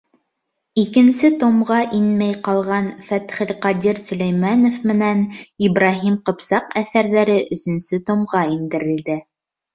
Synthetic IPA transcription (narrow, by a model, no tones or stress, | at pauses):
ikɘ̆nsɘt̪omʁɑʔinmæjqɑlˠʁɑnfæt̪χɘ̆lqɑd̪ʲiɾsɵ̆læjmænofmɘ̆næniβrɑɦimqɤ̆psɑqæθæɾðæɾɘʔɵ̆sɵ̆nsɘt̪omʁɑind̪ɘ̆ɾɘ̆ld̪ɘ